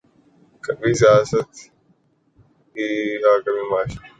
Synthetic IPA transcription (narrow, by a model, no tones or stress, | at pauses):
kɐɓiːsɪjaːsət̪ | iːaːkəmĩːmaːʃ